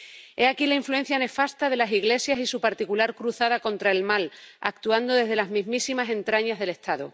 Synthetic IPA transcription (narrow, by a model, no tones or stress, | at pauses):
e̞akilaiɱfluen̟θjane̞fast̪aðe̞lasiɣle̞sjasisupaɾt̪ikulaɾkɾuθaðako̞nt̪ɾae̞lmala̰k̚t̪uand̪o̞ðe̞zðe̞lazmĩzmisimase̞nt̪ɾaɲazðe̞le̞st̪aðu